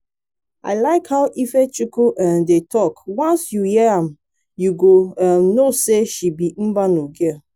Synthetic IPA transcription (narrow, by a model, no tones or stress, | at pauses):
a̰ɪlaɪkhaʊʔifet͡ʃukuʔɛmdetɔkwɔ̃nsjuhiɛam | juɡoamnoseʃibim̩banuɡe